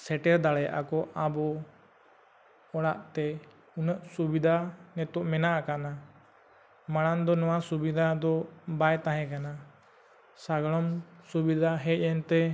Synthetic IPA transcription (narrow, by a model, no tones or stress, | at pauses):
sɛʈɛɾd̪aɽɛjʔa̰kɔʔabɔ | ɔɽaʔt̪ɛ | unəʔsubid̪ʱanɛt̪uʔmɛnaʔakana | maɽ̃and̪ɔnɔwasubid̪ʱad̪ɔbajt̪aɦɛ̃kana | saɡɽɔmsubid̪ʱaɦɛc̚ˀɛnt̪ɛ